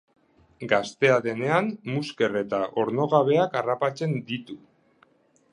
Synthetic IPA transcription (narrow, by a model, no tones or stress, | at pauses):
ɡast̪e̞aðe̞ne̞anmuske̞re̞t̪aʔo̞ɾno̞ɣaβ̞e̞akarapat͡se̞nd̪it̪u